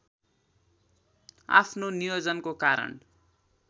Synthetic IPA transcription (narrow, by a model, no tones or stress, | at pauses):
a̰pʰnonijod͡zʌnkokaɾʌ̰n